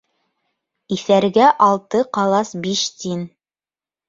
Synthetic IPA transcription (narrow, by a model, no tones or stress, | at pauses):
iθæɾɡæʔɑlˠt̪ɤqɑlˠɑsbiʃt̪in